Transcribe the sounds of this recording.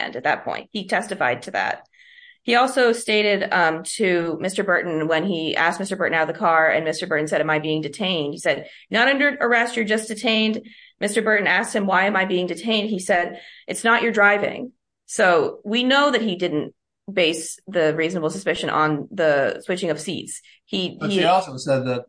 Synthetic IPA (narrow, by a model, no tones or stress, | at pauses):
ndɨt̪̚ðɨ̰t̚pʰɔ̰̃ɪ̃nt̚hitʰɛstɨfa̰ɪd̚tʰɨðæ̰t̚ | hiɔlˠsoʊsteɪɾɪdtʰʉmɪstə˞bɜ˞ʔn̩wə̃niæ̰st̚mɪstə˞bɜ˞ʔn̩aʊʌv̚ðɨkʰɑɹɨ̰̃nmɪstə˞bɜ˞ʔn̩sɛɾɨ̃maɪbiɪ̃ŋdɨtʰẽɪ̃nd̥̚hisɛd̚ | nəɾʌ̃ndə˞ʔə˞ɛstə˞d͡ʒʌsd̥ɨtʰẽɪ̃nd | mɪstə˞bɜ˞ʔn̩æst̚hɨ̃mwaɪɨ̃maɪbiɪ̃ŋdɨtʰẽɪ̃nd̚isɛɾʔɨtsnət͡ʃə˞dɹaɪvɪ̰̃ŋ | soʊwinoʊðɨt̚hidɪdⁿn̩t | b̥eɪsðɨɹiznəbl̩ˠsəspɪʃɨ̃ñʔə̰̃nðəswɪt͡ʃɪ̃ŋʌv̥sḭts | hiiɔlˠsoʊsɛd̪̚ðɨt̚